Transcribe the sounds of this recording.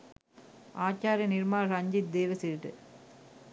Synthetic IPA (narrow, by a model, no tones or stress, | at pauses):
aːt͡ʃːaːɾjɐnɪɾmaːɾɐɲd͡ʒid̪eːʋɐsiɾʈːɯ̰